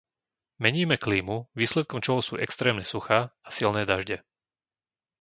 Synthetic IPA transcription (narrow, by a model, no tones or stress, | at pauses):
mɛɲiːmɛkliːmuʋiːslɛt̪̚kɔmt͡ʃɔɦɔsuːʔɛkst̪ɾɛːmɲɛsuxaːasilnɛːd̪aʒɟɛ